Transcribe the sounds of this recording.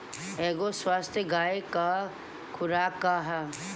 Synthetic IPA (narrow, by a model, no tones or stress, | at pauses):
ɛːɡoswaːst̪ʰjəɡaːeka | kʰʊɾaːkːaɦɛ